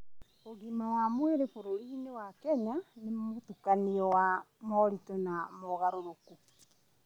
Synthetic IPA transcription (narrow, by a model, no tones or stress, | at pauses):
oɣimawamweɾefoɾoɾiːnewakɛɲanemotukaniɔwa | mɔɾitɔnamɔɣaɾoɾoku